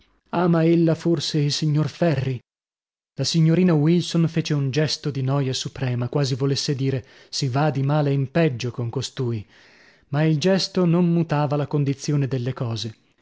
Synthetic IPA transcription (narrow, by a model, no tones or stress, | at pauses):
aːmaelːaforseilsiɲːorfɛrrːi | lasiɲːoɾiːnawilsonfeːt͡ʃeund͡ʒɛst̪od̪inɔːjasupɾɛːmakwaːzivolesːed̪iːɾe | sivad̪imaːleimpɛd͡ʒːokoŋkost̪uːi | maild͡ʒɛst̪onommut̪aːvalakond̪it̪sːjoːned̪elːekɔːze